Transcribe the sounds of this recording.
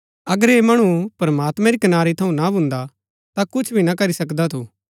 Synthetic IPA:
ɐɡəɾeːmɐɽ̃upɾɐmaːt̪mɛ̃ɾikɐnaːɾit̪ʰɐũnabʱʊ̃nd̪a | t̪akʊt͡ʃʰbʱinakɐɾisɐkd̪at̪ʰuː

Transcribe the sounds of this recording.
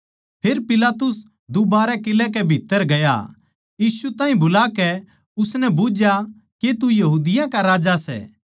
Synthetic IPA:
pʰeːɾpɪlaːt̪ʊs | d̪ubaːɾɛkɪlɛk̬ɛbʱit̪ːəɾɡɐja̰ | jiːsut̪aːĩbʊlakɛ | ʊsnɛbʊd͡ʒja | ket̪ujɐɦuːd̪ɪjãkaɾaːd͡ʒasɛ̰ː

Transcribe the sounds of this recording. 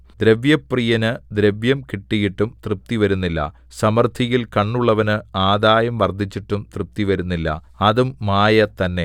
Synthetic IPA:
d̪ɾe̞ʋjɐprijɐnɨd̪ɾeʋjɐmkiʈːijiʈːumt̪rɨp̚t̪iʋɐɾunːilːɐ̰ | sɐmɐrt̪ʰijilkɐɳːuɭːɐʋɐnɨaːd̪aːjɐmʋɐrd̪ʱit͡ɕːiʈːumt̪rɨp̚t̪iʋɐɾunːilːɐ̰ | ɐðumːaːjɐt̪ɐnːe̞

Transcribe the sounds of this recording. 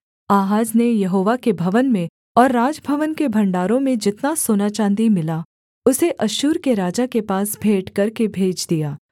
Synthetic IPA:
aːɦaːd͡ʒnejɐɦoːʋakebʱɐʋənmẽ | ɔːɾːaːd͡ʒbʱɐʋənkebʱɐ̃ɳɖaːɾõmẽd͡ʒɪt̪nasoːnaːt͡ʃãːnd̪imɪla | ʊseʔɐʃuːɾkeɾaːd͡ʒakepaːsbʱeːʈkɐɾkebʱeːd͡ʒd̪ijaː

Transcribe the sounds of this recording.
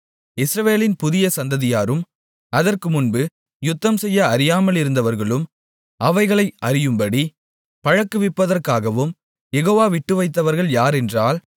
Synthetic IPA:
ɪsɾɐʋeːlɪnpʊðɪjɐsɐnd̪ɐðɪjaːɾɯm | ɐðɐrkɯmʊnbɯ | jʊt̪ːɐmsɛjːɐːɾɪjaːmɐlɪɾɯnd̪ɐʋɐɾɣɐɭɯm | ʔɐʋɐɪɣɐɭɐɪɐɾɪjɯmbɐɽi | pɐɻɐkːɯʋɪpːɐðɐrkaːɣɐʋɯm | jɛɣoːʋaːʋɪʈːɯʋɐɪt̪̬ːɐʋɐɾɣɐɭjaːɾɛndraːl

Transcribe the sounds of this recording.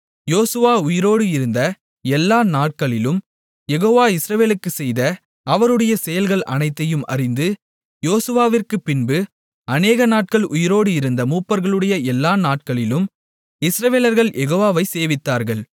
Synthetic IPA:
joːsɯʋaːʊjɪɾoːɽɯɪɾɯnd̪ɐ | ɛlːaːnaːʈ̚kɐɭɪlɯm | jɛɣoːʋaːɪsɾɐʋeːlɯkːɯsɛjðɐ | ɐʋɐɾɯɽɐjɐsɛjɐlɣɐɭʔɐ̰nɐɪt̪ːɐjɯmɐ̰rɪnd̪ɯ | joːsɯʋaːʋɪrkɯpːɪnbɯ | ɐneːɣɐnaːʈ̚kɐɭʔʊjɪɾoːɽɯɪɾɯnd̪ɐmuːpːɐɾɣɐɭɯɽɐjɐɛlːaːnaːʈ̚kɐɭɪlɯm | ɪsɾɐʋeːlɐɾɣɐɭjʔɛɣoːʋaːʋɐɪseːʋɪt̪ːaːɾɣɐɭ

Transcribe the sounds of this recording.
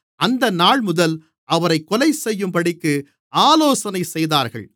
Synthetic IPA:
ʔɐnd̪ɐnaːɭmʊðɐl | ʔɐʋɐɾɐɪkːɔlɐɪsɛjːɯmpɐɽɪkːɯ | aːloːsɐnɐɪsɛjðaːɾɣɐ̰ɭ

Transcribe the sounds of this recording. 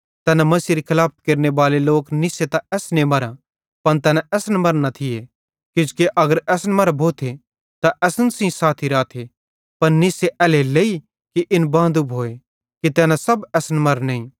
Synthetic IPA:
t̪ɛːnamɐsiːɾikʰɪlaːp̚ʰkeːɾneʋaːleloːknɪset̪aɛːsnemɐɾã | pɐnt̪ɛːnãɛːsnmɐɾnat̪ʰɪje | kɪd͡ʒkeʔɐɡəɾɛːsnmɐɾbʱoːt̪ʰe | t̪aʔɛːsənsĩsaːt̪ʰiɾaːt̪ʰe | pɐɾnɪseʔɛːleleːi | kiʔɪnbãːd̪ubɦoːe | kit̪ɛːnasɐbɛːsnmɐɾneĩ

